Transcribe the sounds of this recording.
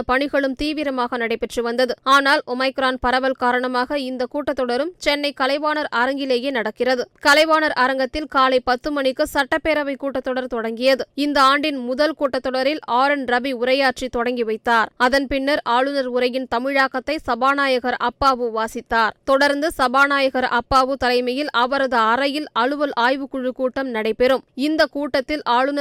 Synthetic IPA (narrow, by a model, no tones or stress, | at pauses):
pɐɳɪɣɐɭɯmt̪iːʋɪɾɐmaːɣɐnɐɽɐɪpːɛʈrɯʋɐnd̪ɐðɯaːnaːlɔmɐɪkɾaːnpɐɾɐʋɐlkaːɾɐɳɐmaːɣɐɪnd̪ɐkuːʈːɐt̪ːɔɽɐɾɯmt͡ʃɛnːɐɪkɐlɐɪʋaːnɐɾɐɾɐŋɡɪleːjeːnɐɽɐkːɪrɐðɯkɐlɐɪʋaːnɐɾʔɐɾɐŋɡɐt̪ːɪlkaːlɐɪpɐt̪ːɯmɐɳɪkːɯsɐʈːɐpːeːɾɐʋɐɪkːuːʈːɐt̪ːɔɽɐɾt̪ɔɽɐŋɡɪjɐðɯɪnd̪ɐaːɳɖɪnmʊðɐlkuːʈːɐt̪ːɔɽɐɾɪlaːɾɐnɾɐbiʊɾɐjaːʈrit̪ɔɽɐŋɡiʋɐɪt̪ːaːɾɐðɐnpɪnːɐɾʔaːɭɯnɐɾʊɾɐjɪnt̪ɐmɪɻaːkɐt̪ːɐɪsɐbaːnaːjɐɣɐɾɐpːaːʋɯʋaːsɪt̪ːaːɾt̪ɔɽɐɾnd̪ɯsɐbaːnaːjɐɣɐɾɐpːaːʋɯt̪ɐlɐɪmɐjɪlɐʋɐɾɐðɯɐɾɐjɪlɐɻɯʋɐlʔaːjʋɯkʊɻːɯkuːʈːɐmnɐɽɐɪpɛɾɯmɪnd̪ɐkuːʈːɐt̪ːɪlaːɻɯnɐ